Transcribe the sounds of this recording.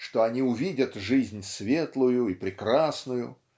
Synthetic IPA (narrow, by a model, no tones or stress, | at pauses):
ʂt̪oɐnʲiʊvʲidʲət̪ʐɨzʲnʲsvʲe̞t̪lˠʊjʊipɾʲɪkɾasnʊjʊ̰